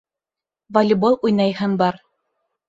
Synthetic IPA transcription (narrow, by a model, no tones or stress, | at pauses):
vɐlʲɪbolˠujnɑjhɤnbɑɾ